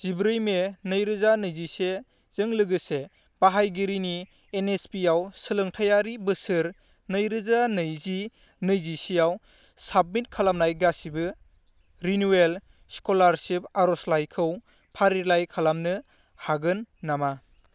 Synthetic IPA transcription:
z̥ibɾɯjmenɯjɾɯzanɯjzise | z̥ɯŋlɯɡɯse | b̥aɦajɡiɾiniː | nespiawsɯlɯŋtʰajaɾibɯsɯɾ | nɯjɾɯzanɯjzi | nɯjzisijaw | sab̚mit̚kʰalamnajɡasibɯ | ɾinuel | skolaɾsip̚aɾɔslajkʰɯw | pʰaɾilajkʰalamnɯ | haɡɯnːama

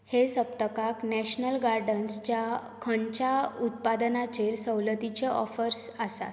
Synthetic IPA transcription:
hesəp̚t̪əkaknɛɕnəlɡaɾɖənst͡ɕja | kʰə̃ɲt͡ɕaut̪̚pad̪ənat͡ɕeɾsəwlət̪it͡ɕeʔɔ̰fəɾsasa̰t̪

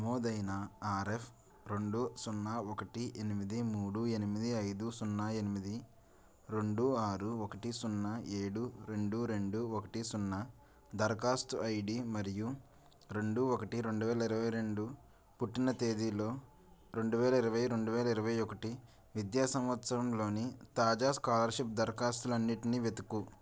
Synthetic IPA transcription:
ɐmoːd̪ɐjnɐaːɾepʰ | ɾe̞ɳɖusunːaːokɐʈiʔenimid̪imuːɽue̞nimid̪iɐjd̪usunːae̞nimid̪i | ɾe̞ɳɖuaːɾuokɐʈisunːɐeːɽuɾe̞ɳɖuɾe̞ɳɖuɔkɐʈisunːɐ | d̪ɐɾkaːst̪uɐjɖimɐɾiju | ɾe̞ɳɖuɔkɐʈiɾe̞ɳɖuʋɛːlɐiɾɐʋɐjɾe̞ɳɖu | puʈːinɐt̪eːd̪ilo̞ː | ɾe̞ɳɖuʋɛːlɐiɾɐʋɐjɾe̞ɳɖuʋɛːlɐiɾɐʋɐjɔkɐʈi | ʋid̪jaːsɐ̃mʋɐt̪sɐɾɐmlo̞ːnit̪aːd͡ʒaːskaːlɐɾʃip̚d̪ɐɾkaːst̪ulɐnːiʈiniːʋet̪uku

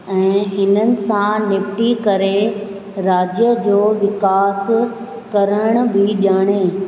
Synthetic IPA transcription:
ɛ̃ːɦɪnənɪ̆sãneːfʈikɐɾe | ɾaːd͡ʑjəd͡ʑoːʋɪkaːs | kɐɾəɽ̃̆bʱɪɗjaːɽ̃eː

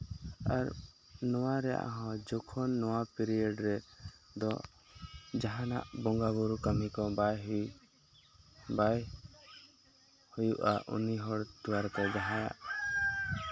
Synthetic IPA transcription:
aɾ | nɔwaɾɛja̰ʔɦɔ̃d͡ʒɔkʰɔnːɔwapiɾiɔɖɾɛd̪ɔ̰ | d͡ʒaɦana̰ʔbɔŋɡabuɾukamikɔbajɦu | baj | hujuʔaʔṵniɦɔɽt̪uwaɾkɔd͡ʒaɦãja̰ʔ

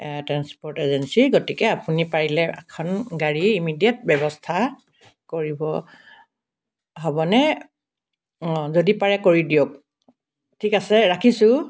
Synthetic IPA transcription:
tɹanspɔɹtezɛnsiɹɡotikɛapunipaɹilɛɛ̰kʰɔnɡaɹiimidiat̚bɛbɔstʰa | koɹibɔ | ɦobɔnɛ | zodipaɹɛkoɹidiok | tʰikasɛɹakʰisʊ

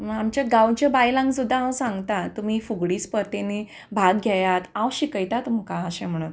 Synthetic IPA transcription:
amt͡ɕaɡawt͡ɕabajlãŋɡsud̪ʱːaãwsãŋɡt̪at̪um̤iːfuɡɽiːspəɾt̪eni | bʱaɡɡʱjajat̪ãwɕikəjt̪at̪um̤kãəɕẽm̤əɽ̃un

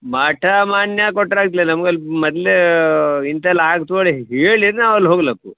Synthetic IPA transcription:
mɐʈʰamaːnjakɔʈːɾaːɡt̪̬ilenɐmɡɐlːmɔd̪leint̪ɐlaːɡt̪oɭeɦeːɭiɾnaːʋɐlːɦoɡlɐku

